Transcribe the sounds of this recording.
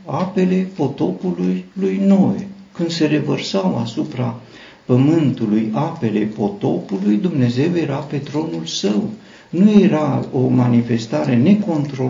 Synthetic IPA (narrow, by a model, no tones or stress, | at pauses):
ape̞le̞po̞t̪o̞pulujlujno̞e | kɨnd̪se̞ɾe̞vərsawa̰supɾa | pəmɨnt̪ulujape̞le̞po̞t̪o̞pulujd̪umne̞ze̞wje̞ɾape̞t̪ɾo̞nulsəw | nuje̞ɾao̞manife̞st̪aɾe̞ne̞ko̞nt̪ɾo